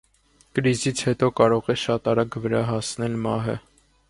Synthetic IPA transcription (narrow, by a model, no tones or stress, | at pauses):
kəɾizit͡sʰhɛt̪ɔkɑɾɔʁɛʃɑt̪ɑɾɑɡvəɾɑɦɑsnɛlmɑɦə̰